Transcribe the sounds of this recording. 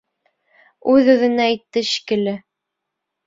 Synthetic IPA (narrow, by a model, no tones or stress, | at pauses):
ʉðʉðɘ̆næːjt̪ːɘɕi̥kɘ̆lɘ